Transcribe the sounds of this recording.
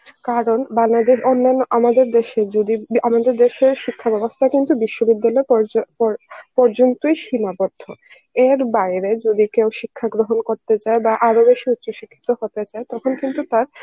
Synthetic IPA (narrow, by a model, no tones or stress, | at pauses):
kaɾonbaŋlad̪eʃonːanːoʔamad̪eɾd̪eʃed͡ʑod̪iamad̪eɾd̪eʃeɾʃikʰːabɛbost̪ʰakint̪ubiʃːobid̪ːalɔeppɔɾpɔɾd͡ʑont̪ojʃimabɔd̪ʱːo | eɾbaɾed͡ʑod̪ikewʃikʰːaɡɾoɦonkoɾt̪et͡ɕaebaʔaɾobeʃiut̪ːɕoʃikʰːi̥t̪ohot̪et͡ɕaet̪ɔkʰonkint̪ut̪aɾ